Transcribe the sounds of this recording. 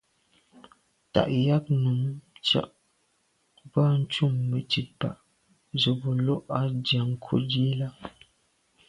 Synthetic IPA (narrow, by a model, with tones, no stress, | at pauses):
ta̰˨ʔja˦k̚nu˨mt͡ʃa̰˨ʔ | ba˦n̩˦t͡ʃu˦˨mːə˨ti˨t̚pa̰˨ʔ | zo˨bo˨lɔ˦ʔa˦dja˨ŋ̩˨kʰo̰˦di˦e˦la˦